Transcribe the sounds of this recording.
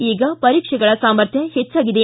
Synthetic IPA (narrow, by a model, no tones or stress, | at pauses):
iːɡɐpɐɾiːkʂɐɡɐɭɐsaːmɐɾt̪ʰjɐhet͡ʃːaːɡid̪e